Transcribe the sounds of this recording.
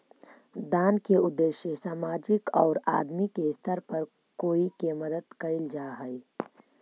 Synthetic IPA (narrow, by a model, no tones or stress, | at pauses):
d̪aːnkeʊd̪ːeːʃjesaːmaːd͡ʒɪkɔːɾaːd̪mikest̪ʰəɾpɐɾ | koːikemɐd̪əd̪kɐɪld͡ʒaːɦɛi